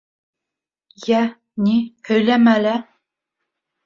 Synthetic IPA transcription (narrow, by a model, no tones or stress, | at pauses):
jæ | nihɵ̆jlæmælæ